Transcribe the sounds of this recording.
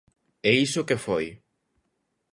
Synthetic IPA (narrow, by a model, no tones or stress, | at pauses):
ɛisʊkefoj